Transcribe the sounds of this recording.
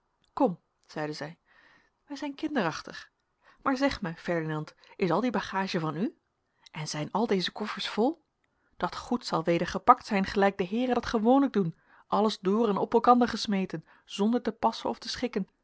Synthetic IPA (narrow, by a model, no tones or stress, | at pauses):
kɔm | z̥ɛjdəzɛj | ʋɛjzɛjnkɪndərɑχtəχ | maːɹzɛχmɛjfɛɹdinɑnt | ɪsɑlˠdibɑχaːʒəvɑny | ʔɛnzɛjnɑlˠdejzəkɔfəɹsfɔlˠ | d̥ɑtχutsɑlˠʋejdəɹχəpɑk̚tsɛjnχəlɛjɡ̚dəɦɪːrəndɑtχəʋownləɡ̚dun | ʔɑləzdʊːrɛnɔpɛlˠkɑndəɹχəsmejtən | z̥ɔndəɹtəpɑsə̰nɔftəsχɪkən